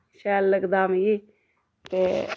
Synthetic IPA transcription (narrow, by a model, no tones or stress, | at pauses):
ʃɛːlːəɡd̪aːmɡiː | t̪eː